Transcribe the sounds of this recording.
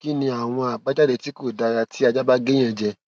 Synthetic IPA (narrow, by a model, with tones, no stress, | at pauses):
ki˦nĩ˧a˨w̃ɔ̃˧a˨ɡ͡ba˨˦d͡ʒa˦de˧˦ti˨˦ko˦˨da˧ɾa˧tʰi˦a˧d͡ʒa˦ba˦ɡẽ˦ɛ̃˧˨d͡ʒɛ˧